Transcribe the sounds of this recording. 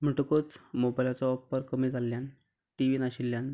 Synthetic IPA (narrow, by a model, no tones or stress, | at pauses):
m̤əʈkot͡smobajlat͡sɔɔpːəɾkəmiːd͡zʱaljan | ʈiʋinaɕilːjan